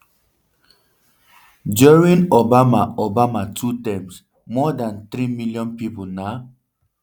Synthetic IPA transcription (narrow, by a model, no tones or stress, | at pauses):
d͡ʒɔɹĩnobamaobamatʰutɛ̃ms | mɔdãnt̪ɾimiljɔ̃npipona